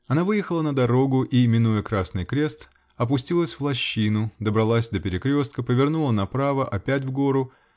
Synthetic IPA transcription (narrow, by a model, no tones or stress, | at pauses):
ɐnavɨjɪxəlˠənəd̪ɐɾo̞ɡʊʔimʲɪnujəkɾasnɨjkɾʲe̞st̪ | ɐp̬ʊsʲtʲilˠəsʲvlˠɐɕːinʊd̪əbɾɐlˠasʲd̪əpʲɪɾʲɪkɾʲo̞st̪̚kəpəvʲɪrnulˠənɐpɾavəʔɐpʲæt̬ʲvɡo̞ɾʊ